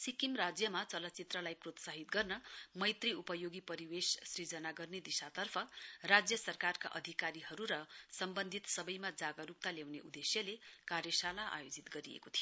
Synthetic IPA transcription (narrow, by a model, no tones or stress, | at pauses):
sikimrad͡zjʌmat͡sʌlʌt͡sit̪rʌlajprot̪saɦit̪ɡʌrnʌmʌjt̪riupʌjoɡipʌɾiwessrid͡zʌnaɡʌrned̪isat̪ʌrpʰʌrad͡zjʌsʌrkarka̰ʔʌd̪ʱikaɾiɦʌɾuɾʌsʌmbʌnd̪ʱit̪sʌbʌjmad͡zaɡʌɾuk̚t̪aljawneʔud̪esjʌlekarjʌsalaʔa̰jod͡zit̪ɡʌɾiḛkot̪ʰijo